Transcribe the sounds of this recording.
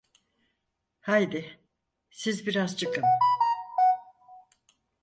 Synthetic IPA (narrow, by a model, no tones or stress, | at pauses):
hajd̪ɪ | sizbiɾazt͡ʃʰɯkʰɯm